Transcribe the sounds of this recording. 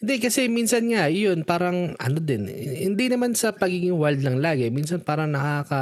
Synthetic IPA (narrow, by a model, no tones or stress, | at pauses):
ɪnd̪ɛkɐsɛminsɐnŋajo̞npaːɾɐŋʔɐ̰no̞d̪ɪnhɪnd̪inɐmansɐpɐɡiːɡɪŋwɐld̪lɐŋlaːɡɪminsɐnpaːɾɐŋnɐkakɐ